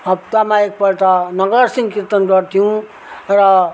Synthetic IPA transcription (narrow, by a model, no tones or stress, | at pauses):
ʌb̚t̪amaek̚pʌɾt̪ʌnʌɡʌrsĩŋkirt̪ʌnɾʌɾt̪ʰijũ | rʌ